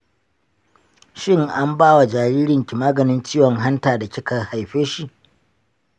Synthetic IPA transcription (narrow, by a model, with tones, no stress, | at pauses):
ʃɪ˦ŋʔa˦mbaː˦wa˨d͡ʒaː˨ɽiː˦ɾɪ˨ŋkʲɪ˨maː˦ɡɐ˨nɪ˦nt͡ʃiː˦wɔ˨ŋɦa˦ntaː˨da˨kʲɪ˦kɐ˨rha˨jɸeː˦ʃi˨ʔ